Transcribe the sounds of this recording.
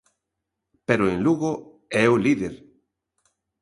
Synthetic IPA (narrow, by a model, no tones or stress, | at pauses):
peɾoẽŋluɣo | ɛuliðeɾ